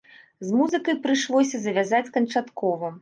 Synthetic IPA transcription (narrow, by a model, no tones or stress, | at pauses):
zmuzɨkɐjpɾɨʂlˠɔsʲɐzɐvʲazat͡sʲkɐnt͡ʂat̪kɔvɐ